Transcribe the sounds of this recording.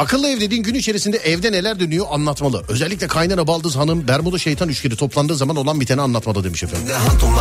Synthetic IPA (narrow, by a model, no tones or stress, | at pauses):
akʰɯlˠːɯɛvd̪e̞d̪iːnɟynyit͡ʃʰe̞ɾisind̪ɛɛvd̪ɛne̞lʲæɾd̪ønyjo̞ʔanlˠat̪malˠɯø̞zɛlʲːic̬ʲlʲɛkʰajnaɾabalˠd̪ɯːzɦanɯmbæɾmod̪aʃejt̪ʰanyt͡ʃcʰeɾit̪ʰo̞plˠand̪ɯːzamano̞lˠanbit̪ʰenɛanlˠat̪malˠɯd̪e̞miʃefæ̰nɦat̪u